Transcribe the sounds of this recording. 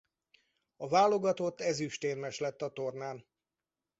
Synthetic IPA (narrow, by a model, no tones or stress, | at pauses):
ɒvaːlːo̞ɡɒt̪o̞t̪ːɛzyʃt̪eːrmɛʃlɛt̪ːɒt̪o̞rnaːn